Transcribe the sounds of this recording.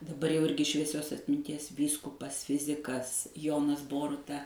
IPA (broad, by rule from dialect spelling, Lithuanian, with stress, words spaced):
dɐˈbɐr jɛʊ ˈɪrʲɡʲɪ ʃʲʋʲiɛˈsʲoːs ɐtʲmʲɪnʲˈtʲiɛs ˈʋʲiːskʊpɐs ˈfʲɪzʲɪkɐs ˈjoːnɐs ˈboːrʊtɐ